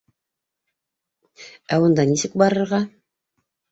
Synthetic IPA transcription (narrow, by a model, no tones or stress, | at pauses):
æŏnd̪ɑnisɘk̚bɑɾɤ̆ɾʁɑ